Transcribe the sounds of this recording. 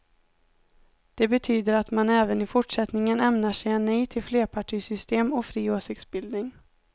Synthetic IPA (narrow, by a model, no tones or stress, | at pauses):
d̪̥ɛbɛt̪ʰyːd̪əɾat̪manɛːvənɪfʊʈʂɛt̪nɪŋənɛmnaʂɛjɛnːɛjt̪ʰɪlfleːɾpʰaʈʰiːsʏst̪eːmɔfɾiːoːsɪk̚t̪sbɪld̪nɪŋ